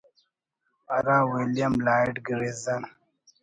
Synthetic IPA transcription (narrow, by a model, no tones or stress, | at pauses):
a̰ɾãːwilijɐmlaːʈɡɾezɐn